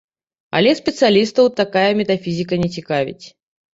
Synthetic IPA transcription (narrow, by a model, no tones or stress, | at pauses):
ɐ̰lʲɛspʲɛt̪sɨalʲist̪ɐwt̪akajɐmʲɛt̪afʲizʲik̬ɐnʲɛt͡sʲikavʲḭt͡sʲ